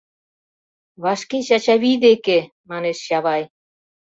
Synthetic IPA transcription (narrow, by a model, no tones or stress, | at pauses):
βɑʃkeɕɑt͡ɕɑβid̪eke | mɑneʃjɑβɑj